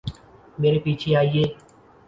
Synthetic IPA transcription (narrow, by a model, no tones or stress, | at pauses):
meːɾepiːt͡ʃʰeaːieː